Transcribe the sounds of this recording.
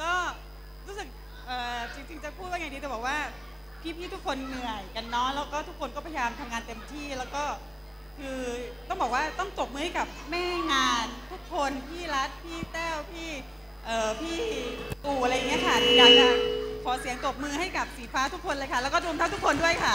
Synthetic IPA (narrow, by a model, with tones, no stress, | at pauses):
kɔː˥˩ | ɾuː˦˥sɯ˨˩k̚ | ʔɤː˨˩t͡ɕi˧ŋt͡ɕi˧ŋt͡ɕa˨˩pʰu˥˩t̪̚waː˥˩a˨˩di˧ɛ˨˩bɔː˨˩k̚waː˥˩ | pʰiː˥˩pʰiː˥˩t̪ʰu˦˥kʰo˧nːɯ˨˩əjka˧nːɔː˦˥jlɛː˦˥wkɔː˥˩t̪ʰu˦˥kʰːo˧nkɔː˥˩pʰa˧jjaː˧mt̪ʰa˧mŋaː˧nt̪e˧mt̪ʰiː˥˩lɛː˦˥wkɔː˥˩ | kʰɯː˧t̪ɔ˥˩ŋbɔː˨˩k̚waː˥˩t̪ɔ˥˩ŋt̪o˨˩p̚mɯː˧ha˥˩jka˨˩p̚mɛː˥˩ŋaː˧nt̪ʰu˦˥kʰːo˧npʰiː˥˩ɾa˦˥t̪̚pʰiː˥˩t̪ɛː˥˩wpʰiː˥˩ | ʔɤː˨˩pʰiː˥˩t̪uː˨˩ʔa˧ɾa˧jːa˨˩ŋːi˦˥ɐ˧kʰa˥˩t̪ʰi˧da˧ma˨˩kʰɔː˩˦si˨˩˦əŋt̪o˨˩p̚mɯː˧ɦa˥˩jka˨˩p̚siː˨˩˦pʰaː˦˥t̪ʰu˦˥kʰːo˧nlɤ˧jkʰa˥˩lɛ˦˥kɔː˥˩ɾu˧mt̪a˥˩t̪ʰu˥kʰo˧ndu˥˩əjkʰa˥˩